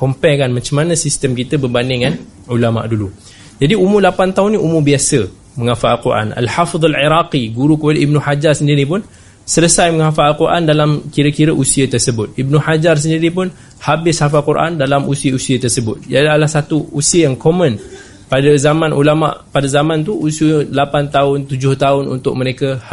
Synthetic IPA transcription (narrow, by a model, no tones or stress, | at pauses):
kɔmpɛkanmãt͡ʃamːanə̃sist̪əmkit̪əbərbandɪŋan | ulama̰ʔdulu | d͡ʒadiumulapant̪aɦʊnːĩʔumubiasə | məŋãfaʔalkuɾʔa̰nʔa̰lħafd̪aliɾaqiɡuɾukəpadəibnuħad͡ʒarsəndiɾipʊn | sələsajməŋafaʔalkuɾʔandalamkiɾəkiɾəʔusiət̪ərsəbʊt̪̚ibnũħad͡ʒars̬əndiɾip̬ʊn | habɪshafalkuɾʔa̰ndalamʔusiəusiət̪ərsəbʊt̪̚d͡ʒalahsat̪uusiəjaŋkomə̃n | padazamãnʔulama̰ʔpadazamãnt̪̬uʔusiəlapant̪aʊnt̪ud͡ʒʊht̪aʊnṵnt̪ʊk̚məɾeka